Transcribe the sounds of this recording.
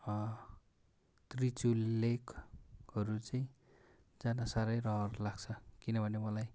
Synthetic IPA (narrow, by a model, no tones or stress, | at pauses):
t̪rit͡sulːekhʌɾut͡saĩ | d͡zanʌsaɾʌjrʌɦʌrulaɡt͡sʰʌkinʌbʱʌnemʌlaj